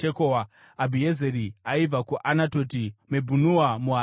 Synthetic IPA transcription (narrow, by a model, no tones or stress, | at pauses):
ekowa | abʱiezeɾiaib͡vakuʔanato̞timebʱunuwamuɦa